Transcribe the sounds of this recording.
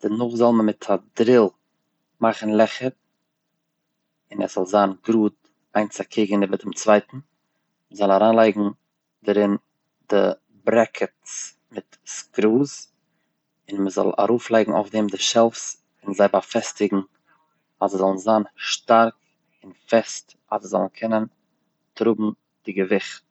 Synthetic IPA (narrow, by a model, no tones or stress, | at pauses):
d̥ɪnʊχzɔlˠməmɪtʰadɾɪlˠ | maχn̩lˠɛχəɾ | ɪnɛz̥ɔlˠzaːnɡɾuːt̚ | aɪnt͡sakʰiɡəniːbədɪmt͡svaɪtn̩ | məzɔlˠaɾaːnlˠaɪɡŋ̩ | daɾɪn | dɪ | bɾɛkʰət | mɪt | skɾuːs | ɪnməzɔ̰lˠa̰ɾuːflˠaɪɡŋ̩a̰ʊfdiːmdɪʃɛlˠfs | ɪnzaɪbafɛstɪɡŋ̩ | azəzɔlˠn̩zaːnʃtaɾk | ɪnfɛst | azəzɔlˠn̩kʰɛnən | tɾubm̩ | d̥ɪɡəvɪχt̚